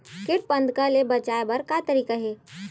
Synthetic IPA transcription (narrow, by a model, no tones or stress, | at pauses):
kɪʈ̚pə̃nd̪ʱkalebət͡ʃaebəɾkat̪əɾiːkaɦe